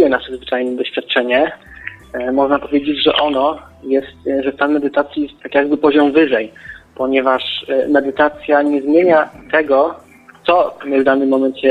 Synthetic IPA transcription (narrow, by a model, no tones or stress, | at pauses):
jɛnaʂɛd̪zvɘt͡ʂajnɛd̪ɔɕfʲjat̪̚t͡ʂɛɲɛ | mɔʐnapɔvʲjed͡ʑed͡ʑʐɛ̰ʔɔnɔ | jɛst̪ʐɛst̪anmɛd̪ɘt̪at̪sʲjijɛst̪ːakʲjaɡ̚bɘpɔʑɔmvɘʐɛjpɔɲɛvaʂmɛd̪ɘt̪at̪sʲjaɲɛzmʲjeɲat̪ɛɡɔ | t̪sɔmɘvd̪anɘmːɔmɛnt͡ɕɛ